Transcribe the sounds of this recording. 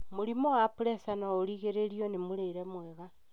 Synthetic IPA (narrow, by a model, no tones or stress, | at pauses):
moɾimɔwapuɾɛsanaoɾiɣeɾeɾiɔnemuɾeiɾɛmwɛβa